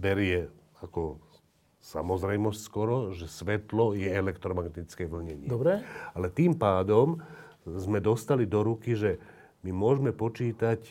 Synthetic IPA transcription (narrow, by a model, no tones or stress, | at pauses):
bɛɾɪjɛ | akɔ | samɔzɾɛjmɔscʲskɔɾɔʒɛsʋɛt̪lɔjɛɛlɛkt̪ɾɔmaɡt̪it͡skɛʋl̩ɲɛɲɪd̪ɔbɾɛalɛt̪iːmpaːd̪ɔm | zmɛd̪ɔst̪alid̪ɔɾukiʒɛ | mimʊɔʒmɛpɔt͡ʃiːt̪ac